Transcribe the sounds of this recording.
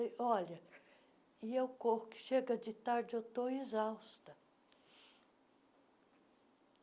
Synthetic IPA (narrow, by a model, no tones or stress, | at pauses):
jɔlɐ | iewkohʊkɪ̥ʃeɡɐd͡ʒɪt̪aɾd͡ʒɪewt̪oizawst̪ɐ